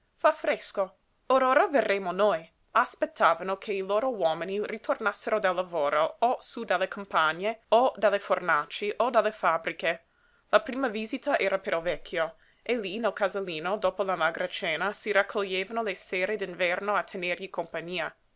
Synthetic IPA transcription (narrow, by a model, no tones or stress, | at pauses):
fafɾesko | oɾoːɾaverːeːmonoj | aspet̪ʰːaːvanokʰeiloːɾowɔːminirit̪ʰornasːeɾod̪alːavoːɾoosud̪alːekʰompaɲːeod̪alːefornat͡ʃiʔod̪alːefabɾike | lapɾiːmaviːzit̪aʔɛːɾʔapeɾovɛkʰːjo | elinɛlkazalːiːnod̪oːpolamaɡɾʔat͡ʃɛːnasiɾakʰːoʎːeːvanolesɛːɾed̪invɛrnoat̪ʰːenerʎikompaɲːiːa